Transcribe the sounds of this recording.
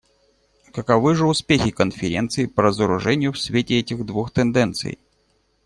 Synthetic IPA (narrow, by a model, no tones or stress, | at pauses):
kəkɐvɨʐɨʊspʲexʲɪkənfʲɪɾʲḛnt̪sɨɪpəɾəzəɾʊʐɛnʲɪjʊfsʲvʲetʲɪɛtʲɪɣd̪vuxt̪ɛnd̪ɛnt̪sɨ̰j